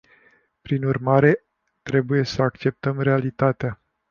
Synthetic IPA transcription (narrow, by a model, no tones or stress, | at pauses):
pɾinurmaɾe̞ | t̪ɾe̞buje̞səakt͡ʃe̞p̚t̪əmɾe̞alit̪at̪ea